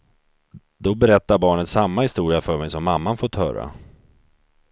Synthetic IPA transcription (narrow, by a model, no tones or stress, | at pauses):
d̪̥ɔbɛɾɛt̪ːaɾbɑːɳət̪samːahɪst̪uːɾɪafœmɛjsɔmːamːanfoːʈ̪hœ̰ːɾa̰